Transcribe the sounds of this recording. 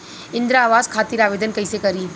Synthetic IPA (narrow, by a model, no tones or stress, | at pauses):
ɪ̃nd̪ɾaːʋaːzkʰaːt̪iɾaːʋeːd̪ənkəjsekɐɾiː